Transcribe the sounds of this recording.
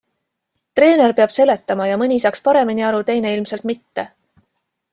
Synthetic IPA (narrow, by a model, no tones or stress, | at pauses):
t̪re̞ːne̞rpeɑb̥se̞le̞t̪ːˑɑmɑjɑmɯnʲiisɑkspɑɾe̞miniɑɾut̪e̞jne̞ilmse̞lt̪mit̪ːe̞